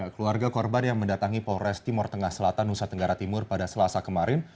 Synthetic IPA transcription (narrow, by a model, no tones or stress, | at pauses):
akəluarɡakɔrbanjaŋməndat̪aŋipɔɾɛst̪imɔrt̪əŋahsəlat̪anusat̪əŋɡaɾat̪imʊrpadasəlasakəmaɾɪn